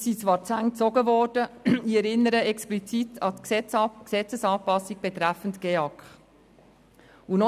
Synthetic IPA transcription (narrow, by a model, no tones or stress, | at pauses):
sit͡sʋɑːɾt͡sæŋt͡sɔɡəvɔːrd̥əiɛɾɪnːəɾəɛksplit͡sitʰɑt̪ksɛt͡sksɛt͡səsɑːpɑsiɡ̚b̥et̪ɾæfəntɡ̥eɑkχ | unɔ